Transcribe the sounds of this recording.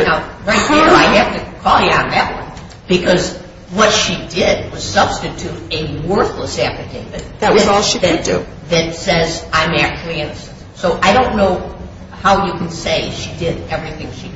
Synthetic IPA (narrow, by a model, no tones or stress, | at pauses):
naʊɹaɪt̚ɨnoʊaɪhæftɨkʰɔlˠjɨãnævl̩ˠə̰̃n | b̥ɨkʰʌz | wʌtʃidɪd̚wʌz̥sʌb̥stɨtʰʉɾɨwɜ˞θləsæpɨkʰeɪɾɨðɨt̚wʌzɔlˠʃiɨddʉ̰ | ðɨtsɛzãɪ̃mækʰlˠiæ̃nɨsɨssoʊʔaɪɾõʊ̃nːoʊ | haʊjɨkʰn̩seɪʃidɪɾɛvɹiθɪ̃ŋʃi